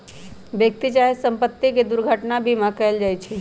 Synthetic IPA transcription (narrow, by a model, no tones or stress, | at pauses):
ʋjək̚t̪it͡ʃaːɦesə̃mpət̪ːiked̪ʊɾɡʱəʈnabʱimãkəld͡ʒaːit͡ʃʰe